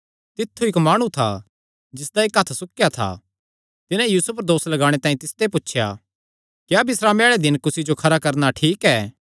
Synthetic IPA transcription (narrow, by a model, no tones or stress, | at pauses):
t̪ɪt̪ʰːuɪkmaːɽ̃ũt̪ʰa̰ | d͡ʒɪsd̪aikɦɐt̪ʰsʊkjat̪ʰa̰ | t̪ɪnãjuːsup̬ɐɾd̪oːslɐɡaːɽ̃et̪ãːĩt̪ɪst̪ep̬ʊtːʃʰja̰ | kjabɪsɾameːɭed̪ɪnkʊsid͡ʒokʰɐɾakɐɾnaʈʰiːkɛː